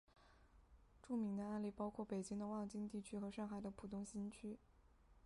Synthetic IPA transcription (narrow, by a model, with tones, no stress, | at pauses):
ʈ͡ʂu˥˩mi˧˥ŋd̪ə˧a˥˧nli˥˩pɑ˥ʊkʰwɔ˥˩pe˨˩ɪt͡ɕi˥ŋd̪ə˧wɑ˥˧ŋt͡ɕi˥ŋt̪i˥˩t͡ɕʰy˥xɤ˧˥ʂɑ˥˩ŋxa˨˩ɪd̪ə˦pʰu˨˩t̪ʊ˥ŋɕi˥nt͡ɕʰy˥